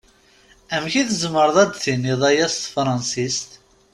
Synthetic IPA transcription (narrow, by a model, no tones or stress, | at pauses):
æmçiθəzməɾˤðˤæd̪θiniðˤæjæst̪fɾˤɑnsist̪